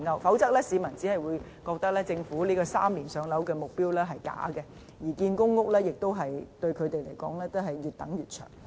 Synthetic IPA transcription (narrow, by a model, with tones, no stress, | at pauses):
ŋɐ˧wfɐ˨˥wt͡sɐ˥k̚lɛː˥si˨˧mɐ˨˩nt͡si˨˥hɐ˨jwuː˨˧j | kɔː˧k̚t̪ɐ˥k̚lɛː˥t͡sɪ˧ŋfuː˨˥liː˥kɔː˧saː˥mliː˨˩nsœː˨˧˥ŋlɐ˨˥wkɛː˧mʊ˨k̚piː˥wlɛː˥ɦɐ˨jka̰ː˨˥kɛ˧ | jiː˨˩kiː˧nkʊ˥ŋŋʊ˥k̚lɛː˥jɪ˨k̚t̪o˥wɦɐ˨jt̪ɵ˧ɥkʰɵ˨˧t̪e˨jle˨˩jkɔ̰ː˨˥ŋlɛː˥t̪o˥ɦɐ˨jɥyː˨t̚t̪ɐ˨˥ŋjyː˨˩t̚t͡ʃʰœ̰ː˨˩ŋ